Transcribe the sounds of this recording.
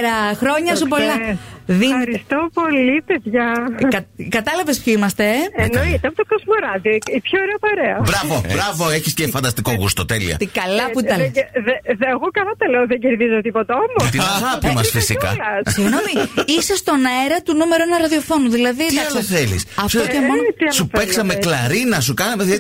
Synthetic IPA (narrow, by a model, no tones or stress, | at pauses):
ɾɐxɾo̞ɲɐsupolɐðiɾist̪opo̞lipeðʝɐkɐkɐt̪ɐlɐvespçoimɐst̪e̞enoit̪eɐpot̪okozmoɾɐðioipçoːɾeɐpɐɾeɐbɾɐvobɾɐvoeçiscefɐnd̪ɐst̪ikoɣust̪ot̪elḭɐ̰t̪kɐlɐput̪ɐleðːɣokɐnɐt̪eleoðeɲɟeɾðizot̪ipot̪ɐomot̪iɐɣɐpimɐsfisikɐ̰lɐssiɣnomiisest̪o̞nɐeɾɐt̪unume̞ɾoenɐɾɐðio̞fo̞nuðilɐðiɐɐsθelḭsɐfst̪oocemonot̪iɐlsupeksɐmeklɐɾinɐs̬ukɐnɐmeðiɐt̪